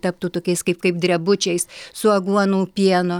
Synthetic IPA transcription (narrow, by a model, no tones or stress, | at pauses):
t̪ɐp̚t̪uːt̪oːkʲɛɪskɐɪpkɐɪp̚d̪ʲɾʲɛbʊt͡ʃʲɛɪssʊɐɡuɔnuːpʲiɛnʊ